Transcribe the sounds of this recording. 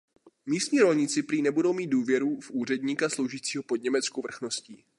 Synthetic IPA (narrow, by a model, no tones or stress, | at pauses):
miːst̪ɲiːɾo̞lɲɪt͡sɪpɾiːnɛbudo̞wmiːt̪̚duːvjɛɾufʔuːr̝ɛdɲiːkaslo̞wʒiːt͡siːɦo̞po̞dɲɛmɛt͡skowvr̩xno̞sciː